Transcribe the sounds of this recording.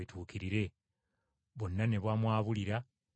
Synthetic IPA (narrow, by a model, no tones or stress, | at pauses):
etʰuːkiɾiɾe̞ | βonːane̞βwaːmwaːβuliɾa